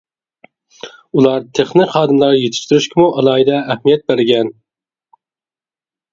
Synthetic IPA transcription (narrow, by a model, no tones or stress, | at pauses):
ulˠɑɾt̪ʰeχnɪχɑːd̪ɨmlˠɑɾjet̪ʰɪ̥ʃt̪uɾyʃkʲʰɪmuʔɑlˠɑːid̪ɛːhmijɛt̪̚bæɾɡʲɛn